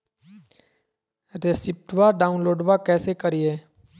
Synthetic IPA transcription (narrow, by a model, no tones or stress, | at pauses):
ɾesɪp̚ʈwaɖaːʊ̃nloːɖwakɛːsekəɾieː